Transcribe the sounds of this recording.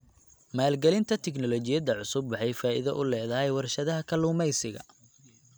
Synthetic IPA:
maːlɡɛlɪnt̪ʰɐt̪ʰɛknɔlɔt͡ʃɪjɐd̪ɐʕʊsʊbːɐħɛjfaːʔɪ̰ðɐʔʊlɛːðɐɦɛjwɐrʃɐðɐɦɐkʰɐlʊːmɛjsɪɣɐ̰

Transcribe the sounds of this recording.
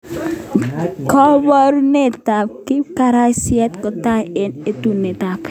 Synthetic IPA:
kɔbɔɾnet̪ap̚kikaɾasiɛt̪kɔt̪aenet̪unet̪ap

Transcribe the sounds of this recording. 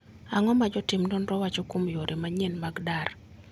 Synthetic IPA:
aŋɔmad͡ʒɔtɪmdɔnɾɔwat͡ʃɔkomjoɾʔemaɲɛnmaɡdar

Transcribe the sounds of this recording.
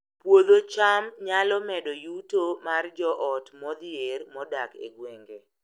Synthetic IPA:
pwod̪ot͡ʃamɲalɔmɛdɔjutomard͡ʒɔʔɔtmɔd̪ermɔdakḛɡweŋɡe

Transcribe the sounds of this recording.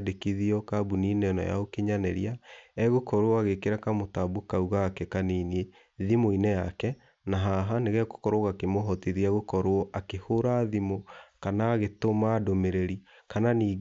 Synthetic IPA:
dekiðiɔkabuniːnenɔ̰ja̰okeɲanɛɾiaɛɣokɔɾoaɣekeɾakamotabokauɣaːkɛkaninie | ðimoinɛjakɛ | naɦaɦaneɣɛko̥kɔɾoɣakemoɦɔtiðiɛɣokɔɾoɔʔakehoɾaðimokanaːɣetomadomeɾeɾi | kananiː

